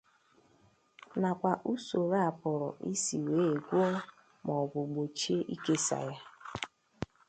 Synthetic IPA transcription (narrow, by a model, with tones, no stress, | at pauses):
na˨kʷa˨ʔu˦so˨ɾa˦a˨pʊ˨ɾɔ̰˨ʔḭ˦si˨we˨˦e˨ɡʷo˦ɔ˦ | mɔ˨ɡʊ˨ɡ͡bo˨t͡ʃe˦ʔi˦ke˦sa̰˨ja˦